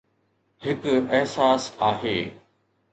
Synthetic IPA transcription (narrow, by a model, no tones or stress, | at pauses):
hɪkɐɦsaːsaːɦeː